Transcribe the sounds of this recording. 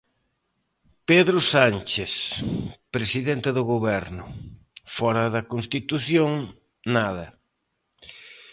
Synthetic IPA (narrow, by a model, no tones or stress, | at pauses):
peðɾʊsant͡ʃeθ | pɾesiðent̪ɪðʊɣoβɛɾnʊ | fɔɾɐðɐkonst̪it̪uθjoŋ | naðɐ